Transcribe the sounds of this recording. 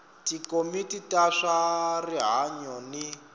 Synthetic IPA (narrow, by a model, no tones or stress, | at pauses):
tikomititaʂariɦaɲɔni